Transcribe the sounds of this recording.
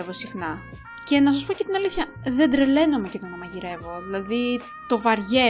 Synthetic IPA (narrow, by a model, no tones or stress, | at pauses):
evo̞sixnɐ | ce̞nɐs̬ɐspo̞ce̞t̪inɐliθçɐ | ðe̞d̪ɾe̞le̞no̞meceðonɐmɐʝiɾe̞vo̞ðilɐði | t̪o̞vɐɾʝe̞